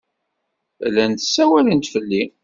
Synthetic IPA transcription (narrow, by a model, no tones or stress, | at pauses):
lænt̪ə̥sːæwælənt̪fəlːi